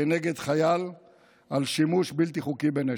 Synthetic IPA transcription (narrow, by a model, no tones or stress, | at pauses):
eneɡed̪χajal | alʃimuʃbilt̪iχukibene